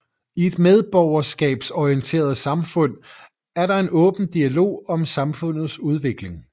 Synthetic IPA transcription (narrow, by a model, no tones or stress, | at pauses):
ie̝d̥með̞ˠb̥ɒʊɐsɡ̥ɛ̰ːb̥sɒient͡sʰe̝̰ːɐð̞̩ˠsɑ̈mfɔ̽n̰ | æɐɾɑ̈e̝nɔ̽ːb̥n̩d̥iælo̝̰ːɒ̽msɑ̈mfɔ̽n̰ð̞̩ˠsuð̞ˠʋe̝ɡ̥le̝ŋ